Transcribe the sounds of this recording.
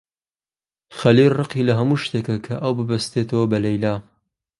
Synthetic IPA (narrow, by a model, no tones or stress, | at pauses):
xɐlilrɨqilɐɦɐmuːʃt̪ekɐkʰɐʔɐwbɨbɐst̪et̪ʰɐwɐbɐlɐjlaː